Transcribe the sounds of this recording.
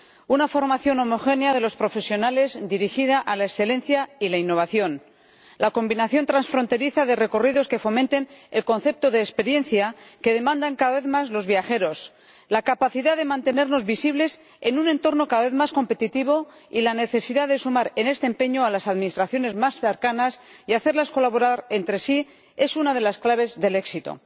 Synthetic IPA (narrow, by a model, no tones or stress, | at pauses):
unafo̞ɾmaθjo̞no̞mo̞xe̞njaðe̞lo̞spɾo̞fe̞sjonale̞zd̪iɾixið̞aʔalaeksθe̞lẽ̞nθjailainːo̞β̞aθjo̞n | lako̞mbinaθjo̞nt̪ɾansfɾo̞nt̪e̞ɾiθaðe̞reko̞riðo̞ske̞fo̞mẽnt̪e̞ne̞lko̞nθe̞p̚t̪o̞ðe̞ːspe̞ɾje̞nθjake̞ðe̞mãnd̪aŋkaðaβeθmazlo̞zβjaxe̞ɾo̞s | lakapaθiðaðe̞mãnt̪e̞ne̞ɾno̞zβisiβ̞le̞s | e̞nunẽ̞nt̪o̞ɾno̞kaðaβe̞θmasko̞mpe̞t̪it̪iβ̞o̞ | ilane̞θe̞siðaðe̞sumaɾe̞ne̞st̪empe̞ɲoalasaðminist̪ɾaθjo̞ne̞zmasθe̞ɾkanas | iaθe̞ɾlasko̞laβo̞ɾaɾe̞nt̪ɾe̞si | e̞sunað̞e̞lasklaβ̞e̞zðe̞le̞ksit̪o̰